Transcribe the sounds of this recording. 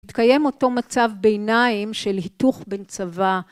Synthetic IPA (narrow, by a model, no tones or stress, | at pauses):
itkaje̞mo̞to̞mat͡savbeːnaimʃelhituχbent͡sava